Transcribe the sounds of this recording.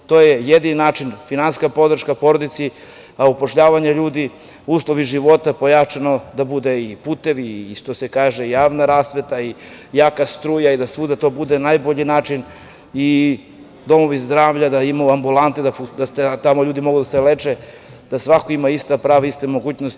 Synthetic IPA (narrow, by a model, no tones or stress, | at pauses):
t̪ojejed̪ininaːt͡ʃinfinanskapo̞d̪ɾ̩ʃkapo̞ɾod̪it̪si | aupo̞ʃʎaːʋaɲeʎuːd̪i | uːslˠoʋiʒiʋo̞t̪apojat͡ʃano̞d̪abud̪eipuːt̪eʋiːʃt̪osekaːʒeijaːʋnaɾaːsʋet̪aijaːkast̪ɾuːjaid̪asʋud̪at̪o̞bud̪enajboʎinaːt͡ʃin | i | d̪o̞mo̞ʋizd̪ɾaːʋʎad̪aimajuambulˠant̪ed̪aud̪at̪et̪amo̞ʎuːd̪imo̞ɡud̪aselet͡ʃe | d̪̥asʋakoimaist̪apɾaːʋaist̪emo̞ɡuːt͡ɕnost̪i